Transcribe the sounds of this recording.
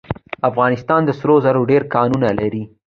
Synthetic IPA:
afɣɑnɪst̪ɑnd̪əsɾozaɾoɖeɾkɑnunalaɾi

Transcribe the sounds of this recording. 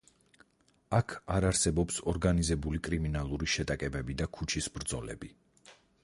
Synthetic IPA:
akʰaɾaɾsɛbɔpsɔɾɡanizɛbulikʼɾiminalˠuɾiʃɛt̪ʼakʼɛbɛbid̪akʰut͡ʃʰisbɾd̪zɔlɛ̰bi

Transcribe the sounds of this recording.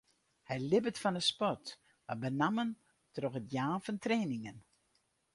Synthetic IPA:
hɛjlɪbətfɔnəspɔt | ʋabənamən | troxətjaːnfɔntreːnɪŋən

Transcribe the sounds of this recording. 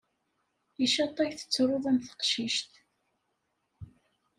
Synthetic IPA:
iʃɑt̪ˤːɑçθə̥t͡sːɾˤoðˤæmθə̥qʃiʃt̪

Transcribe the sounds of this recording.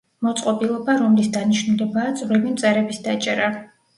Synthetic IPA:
mɔt̪sʼqʼɔpʼilˠɔbaɾɔmlisd̪aniʃnulɛbaːd̪z̥ʼvɾibimt̪sʼɛɾɛbisd̪at͡ʃʼɛɾa

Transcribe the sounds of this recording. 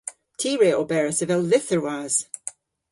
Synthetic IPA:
tʰiːɹeːʔobɛɹəsəvɛlˠlɪθəɹwaz̥

